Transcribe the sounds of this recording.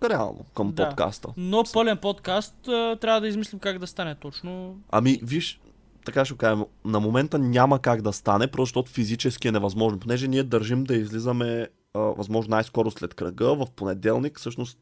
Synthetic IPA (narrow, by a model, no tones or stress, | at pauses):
ɾɛa̰lˠnʔo̰kəmpoka̰st̪ə̰nopɤlɛnpot̪kast̪ət̪ːɾʲavəd̪ɐizmislimkaɡd̪ɐst̪anɛt̪ɔt͡ʃnoɐ̰miviʃ | t̪ɐkaʃ̬ɛkaʒɛmnɐmomɛnt̪ənʲamɐkaɡd̪ɐst̪anɛpɾozɐʃt̪ɔt̪ʊfizit͡ʃɛsk̟iɛnɛvɐzmɔʒnponɛʒɛniɛd̪ɐɾʒimd̪ɐizlizəmɛ | vɐ̰zmɔʒnonajskɔɾʊslɛt̪kɾɐ̰ɡəvɐfponɛd̪ɛlˠniksɤʃnost̪